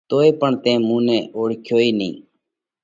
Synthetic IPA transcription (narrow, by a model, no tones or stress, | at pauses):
t̪oːeːpəɳt̪ẽːmũːnẽːʔoːɽkʰjoːiːnḭ̃ː